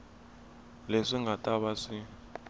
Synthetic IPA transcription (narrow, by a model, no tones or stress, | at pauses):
leʂiŋɡatʼaβaʂi